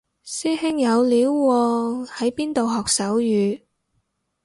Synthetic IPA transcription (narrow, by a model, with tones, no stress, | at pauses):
siː˥hɪ˥ŋjɐ˨˧wliː˨˥wːɔː˧hɐ˨˥jpiː˥nt̪o˨wɦɔː˨k̚sɐ˨˥wjyː˨˧